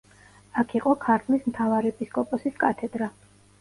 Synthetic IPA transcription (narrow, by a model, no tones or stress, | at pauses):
akʰiqʼɔkʰaɾt̪ʰlismt̪ʰavaɾɛɛpʼiskʼɔpʼɔsiskʼat̪ʰɛd̪ɾa